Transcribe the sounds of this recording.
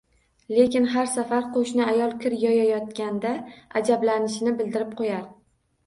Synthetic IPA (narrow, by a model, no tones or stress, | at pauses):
le̞kʲɪnɦaɾsafaɾqoʃnɪajɒlˠkʲɪɾjɒjajɒt̪̚kʲand̪aad͡ʒablanɪʃɪnɪbɪld̪ɪɾɪp̚qʰojaɾ